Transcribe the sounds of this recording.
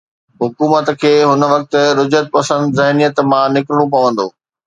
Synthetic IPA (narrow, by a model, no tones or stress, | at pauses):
ɦʊkuːmət̪kʰeːɦʊn̆ʋɐk̚t̪ʊ̆ɾʊd͡ʑət̪̚pɐsə̃nd̪zɐɦnijət̪mãnɪkɪɾɪɽ̃õp̬ɐʋə̃nd̪oː